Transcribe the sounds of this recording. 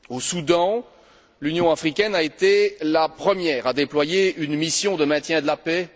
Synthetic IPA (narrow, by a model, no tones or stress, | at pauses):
osud̪ɑ̃ | lynjɔ̃afχikʲɛnaet̪elapχəmjɛːʁad̪eplwajeynmisjɔ̃d̪əmɛ̃t̪jɛ̃d̪əlapɛ